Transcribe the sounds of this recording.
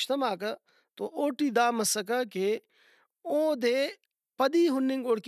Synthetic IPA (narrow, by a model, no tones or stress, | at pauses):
ʃt̪ɐmaːkɐ | t̪oʔoːʈiːd̪aːmɐsɐkɐke | oːd̪eː | pɐd̪iːɦʊnːiŋɡoːɽk